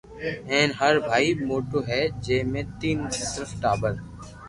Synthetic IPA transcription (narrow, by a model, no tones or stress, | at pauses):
ɛ̃ːnɦəɾbʱaːimoːʈoːɦɛːd͡ʒeːmẽːt̪iːnket̪ɾəfʈaːbəɾ